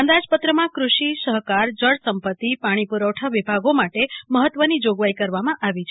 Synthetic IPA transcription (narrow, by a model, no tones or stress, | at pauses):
ə̃nd̪ad͡ʒpət̪ɾəmãkɾuʃisəɦkaɾd͡ʒəɽsəmpət̪ːipaɽ̃ipuɾəwʈʰaʋibʱaɡomaʈeməɦət̪ːʋənid͡ʒoɡʋaikəɾʋamãʔaʋit͡ʃʰe